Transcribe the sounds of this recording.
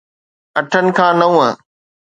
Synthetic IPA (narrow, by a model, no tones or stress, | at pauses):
ɐʈʰənɪ̆kʰãːnɐũːɦə̃